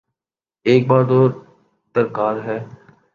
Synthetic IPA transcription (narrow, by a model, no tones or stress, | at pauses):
eːk̚baːɾd̪oː | d̪əɾkaːɾɦɛː